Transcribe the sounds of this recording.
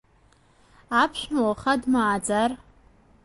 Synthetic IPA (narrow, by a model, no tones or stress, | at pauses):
apʰʃᶣmawχadmaːd͡zar